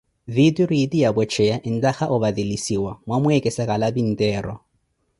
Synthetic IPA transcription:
ðitʼiɾidijabɛt͡ʃʰɛjaʔɪn̩taxaʔʊbaðilisiwamwamʊɛkʼɛsakʼalabin̩tʼɛːrɔ̰

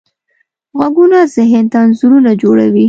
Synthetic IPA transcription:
ɣwaɡunazɪɦɪnt̪anzuɾunad͡ʒoɽa̰wi

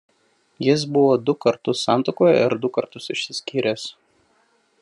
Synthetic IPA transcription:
jɪs̬bʊʋoːd̪ʊkɐɾt̪ʊsːɑˑnt̪okoːjɛ̰ɪ̰ɾd̪ʊkɐɾt̪ʊsɪʃʲsʲɪsʲkʲiːɾʲeːs

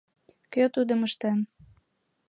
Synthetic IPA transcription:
køt̪ud̪ə̆məʃt̪en

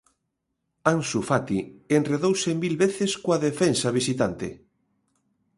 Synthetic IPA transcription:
ansufat̪ienreðowsemilβeθeskoaðefensaβisit̪ant̪ḛ

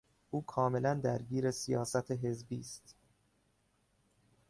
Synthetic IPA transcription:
ʔuːkʰɒːme̞lænd̪æɾɟiːɾesijɒːsæt̪ʰeɦe̞zbiːst̪

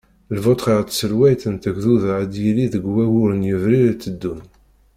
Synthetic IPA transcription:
lvot̪ˤχiʁt̪ːsəlwæjt̪ənt̪əɡðuðʕəd̪jiliðəɡwæwʊɾənjəvɾiɾt͡sːəd̪ːun

